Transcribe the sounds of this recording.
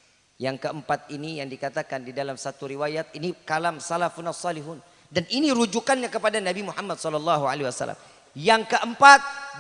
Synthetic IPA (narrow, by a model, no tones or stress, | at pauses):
jaŋkəəmpat̪̚inijaŋdikat̪akandidalamsat̪uɾiwajat̪̚inikalamsalafunasːɑliɦuːn | danʔiniɾud͡ʒukanɲakəpadanabimuhamːadsɔlɔlːɑɦua̰leiwasa̰lːa̰m | jaŋkəʔəmpat̪̚